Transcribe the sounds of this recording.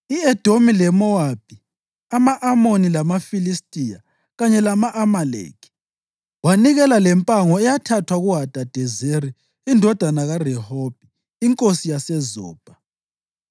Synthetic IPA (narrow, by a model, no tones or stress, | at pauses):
iɛd̥ʱomilɛmɔwab̥̚ʱi | amaʔamonilamafilistʼija | ɣaɲɛlamaʔamalḛːkʰi̥ | waniɣɛlalɛmpʼaŋɔɛjatʰatʰwaɣuɦad̥ʱʼad̥ʱɛzeɾi | indʱɔd̥ʱanaɣarɛhob̥ʱiː | ŋkʼosijasɛzɔ̰ːb̥ʱa